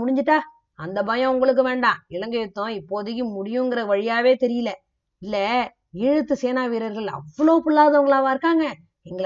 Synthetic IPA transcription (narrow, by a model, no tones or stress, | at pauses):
ʊɽɪɲd͡ʒɪʈːaː | ɐnd̪ɐbɐjɐ̃ʊŋɡɐɭɯk̬ːɯʋeːɳɖãːɪɭɐŋɡɯɪt̪ːõːɪpːoːðɯjːɯ̃mʊɽɪjʊ̃ŋɡɪɾɐʋɐɻɪjaːʋeːt̪ɛɾɪjɪlɐ | ɪlːɛ | ɪɻɯt̪ːɯseːnaːʋiːɾɐɾɣɐɭɐ̰ʋːɐɭoːpʊɭːaːðɐʊŋɡɐɭãːʋaːɪɾɯkːaːŋɡɐ | ɛŋɡɐ